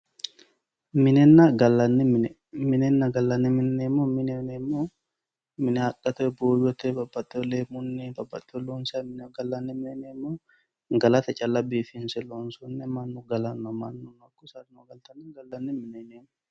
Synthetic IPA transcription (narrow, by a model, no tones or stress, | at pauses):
mɪnɛnːɐɡɐlːɐnːɛmn | mɪnɛnːɐɡɐlːɐnːɛmɪnɛnemːomɪnɛnɛmːo | mɪnɛɐkʼːɐt̪ɔɛboːjɔt̪ɛbɐbːɐt̪ʼːɛɔleːmʊnːɛbɐbːɐt̪ʼːɛloːnsɐmɪnɡɐlːɐnːɛmɪnɛnɛmːoː | ɡɐlɐt̪ɐt͡ʃʼɐlɐbiːfɪnsɛloːnsʊnːɛmɐnːʊɡɐlɐnːɔmɐnːʊnɐkːʊsɐɾnoɡɐlt̪ɐnːɛɡɐlːɐnːɛmɪnɛneːmʊ